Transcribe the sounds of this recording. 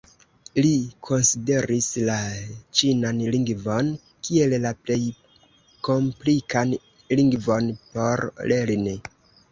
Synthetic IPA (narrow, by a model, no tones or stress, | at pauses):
likʰo̞nside̞ɾʔislat͡ʃinanliŋɡvo̞n | kie̞llaple̞j | ko̞mplikʰan | liŋɡvo̞npo̞ɾleɾni